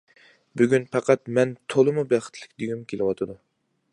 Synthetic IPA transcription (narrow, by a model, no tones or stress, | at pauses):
byɡʲynpʰɑqɑt̪mɛnt̪ʰolˠɨmubæχə̥t̪ʰlɪkʲd̪yɡʲymkʲʰelɨwɑt̪ʰɨd̪u